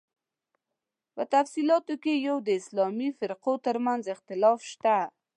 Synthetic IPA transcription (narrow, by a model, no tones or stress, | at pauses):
pət̪afsilɑt̪okejawd̪əɪslɑmifɪɾqot̪əɾmanzɪxt̪ɪlɑfʃt̪a